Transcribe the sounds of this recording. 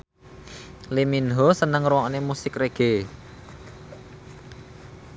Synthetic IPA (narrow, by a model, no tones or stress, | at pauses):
liminɦosənəŋɾuwɔʔnemusɪkreɡ̥e